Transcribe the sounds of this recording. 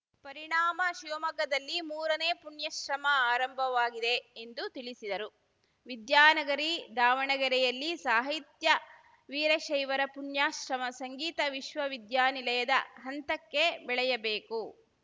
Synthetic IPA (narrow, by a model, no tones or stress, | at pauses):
pɐɾiɳaːmɐʃiʋɐmɐɡɐd̪ɐlːimuːɾɐneːpuɳjɐʃɾɐmɐaːɾɐmbʱɐʋaːɡid̪e̞ːnd̪ut̪iɭisid̪ɐɾu | ʋid̪jaːnɐɡɐɾid̪aːʋɐɳɐɡɐɾɛjɐlːisaːɦit̪jɐ | ʋiːɾɐʃɐjʋɐɾɐpuɳjaːʃɾɐmɐsɐŋɡiːt̪ɐʋiʃʋɐʋid̪jaːnilɐjɐd̪ɐɦɐnt̪ɐkːe̞bɛɭɛjɐbeːku